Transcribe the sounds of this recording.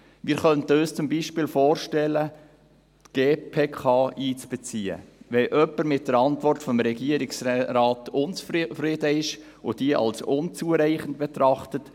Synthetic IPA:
mɪːɾχœntəøːst͡sʊmbiʃpɪːlfɔːrʃtɛlːə | tɡ̥eːpʰeːkʰɑːiːt͡sb̥ɛt͡siːə̰ʋɛʔœpːəɾmɪt̚d̥əɾɑntvɔrtfɔmɾɛɡiəɾɪksɾɑːtʊnt͡sfrɪdəɪʃ | od̥iəʔɑ̰lsʊnt͡suːəɾɛɪχəndb̥ɛt̪ɾɑχtət

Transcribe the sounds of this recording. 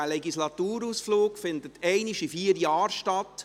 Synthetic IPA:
lɛɡislɑt̪uːɾuːsfloːkfɪnd̪ət̪ʰɛɪniʃifiːɾjɑːɾʃtɑt̪

